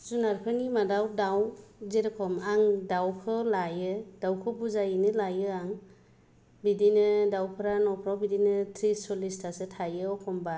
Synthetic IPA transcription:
zunaɾpʰɯnimadawdawzeɾekʰɔmaŋdawkʰɯlajɯdawkʰɯbuzajɯnɯlajɯaŋ | bidinɯdawpʰɯɾanɔpʰɾawbidinɯtʰɾisɔlistʰasɯtʰajɯɔkʰɔmba

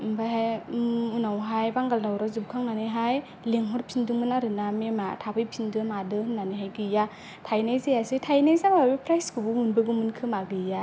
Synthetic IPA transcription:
mbaɦajmunawɦajbaŋɡaldawɾazɯb̚kʰaŋnanɯɦaj | leŋɦɔɾpʰinduŋɯnaɾɯnamematʰabɯjpʰindɯmadɯhɯnːanɯɦajɡɯja | tʰajnajzejasitʰajnajzamabepʰɾajskɯbuunbɯɡumɯnkʰɯmaɡɯja

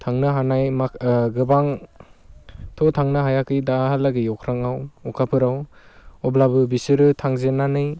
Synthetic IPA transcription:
tʰaŋnɯɦanajmaɡɯbaŋ | tʰɔtʰaŋnɯɦajakɯjdahalaɡɯjɔkʰɾaŋawɔkʰapʰɯɾawɔblabɯbisɯɾɯtʰaŋzenanɯj

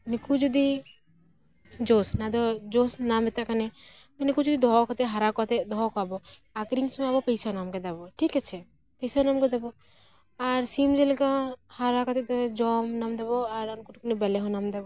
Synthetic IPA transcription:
nikud͡ʒod̪i | d͡ʒosnad̪ɔd͡ʒosnamɛt̪aʔkane | nikud͡ʒod̪id̪ɔɦɔkɔt̪ɛɦaɾakɔt̪ɛd̪ɔɦɔkɔabɔakɾiŋsɔmabɔpejsanamkɛd̪abɔʈʰikat͡ʃʰɛ | pejsanamkɛd̪ɛbɔ | aɾsimd͡ʒelɛkãhaɾakɔt̪ɛt̪ɔd͡ʒɔmnamd̪ɛbɔaɾankuʈkunɛbɛlɛɦɔ̃namd̪ɛbɔ

